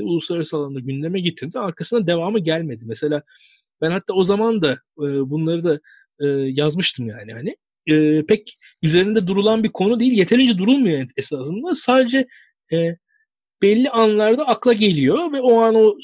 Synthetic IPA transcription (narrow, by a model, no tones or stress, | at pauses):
ulˠusˠaɾɾsalˠaɯnaɟynlʲe̞mɛɟit̪ʰiɾd̪iaɾkʰasɯnad̪e̞vaːmɯɟælʲme̞d̪imːɛse̞lʲaː | b̥ænhat̪ʰːaːo̞zamand̪a | ɯːbunlˠaɾɯd̪a | ɯːjazmɯʃt̪ʰɯmjaːnɪhanɪ | ɯːpʰɛc | yze̞ɾind̪ɛd̪uɾulˠanbiɾkʰo̞nud̪ejilʲje̞t̪ʰe̞lʲind͡ʒɛd̪uɾulˠmujɛnesaːsɯnd̪asaːd̪e̞d͡ʒɛ | ɛ | b̥ɛlʲːianlˠaɾd̪aːklˠaɟe̞lʲijo̞vɛoano̞